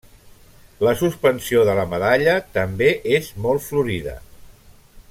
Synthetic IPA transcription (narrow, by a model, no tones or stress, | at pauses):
ləsuspənsioðələməðaʎət̪əmbeʔezmɔlˠt̪fluɾiðə̰